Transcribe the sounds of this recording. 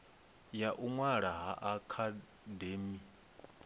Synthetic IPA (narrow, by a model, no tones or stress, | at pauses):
jaʔuŋwaɺaɦaʔakʰa | deːmi